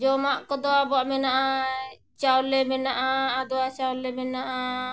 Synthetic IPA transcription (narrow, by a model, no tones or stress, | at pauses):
d͡ʒɔmaʔkɔd̪ɔwabɔaʔmɛnaʔa | t͡ʃawɔlɛmɛnaʔaːd̪ɔwat͡ʃawlːɛmɛnaʔa